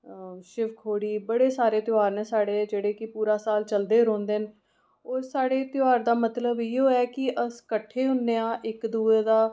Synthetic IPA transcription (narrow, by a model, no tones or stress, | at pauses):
ʃɪʋkʰoːɽiːbəɽeːsaːɾeːt̪ɪjaːɾnɛːsaːɽeːd͡ʒeːɽeːkɪpuːɾaːsaːlt͡ʃəld̪eːɾõːnd̪eːn | oːaːɽeːt̪ɪaːɾd̪aːmət̪ləbiːoːɛːkɪʔəskəʈʰːeːɦʊnːeːãːʔɪkd̪uːeːd̪aː